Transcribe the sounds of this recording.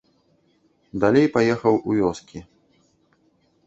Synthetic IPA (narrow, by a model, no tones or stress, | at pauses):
d̪alʲejpajɛxɐwʔuvʲɔskʲi